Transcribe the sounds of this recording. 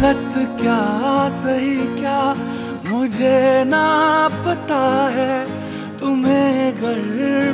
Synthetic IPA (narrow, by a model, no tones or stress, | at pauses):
lət̪kjaːsɐɦikjaː | mʊd͡ʒʱenapɐt̪aɦɛ | t̪ʊmẽɡʱɐɾ